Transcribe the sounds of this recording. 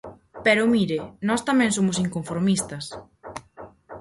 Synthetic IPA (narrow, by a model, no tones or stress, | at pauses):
pɛɾʊmiɾɪnɔst̪ɐmɛ̃ŋsomʊsiŋkoɱfoɾmist̪ɐs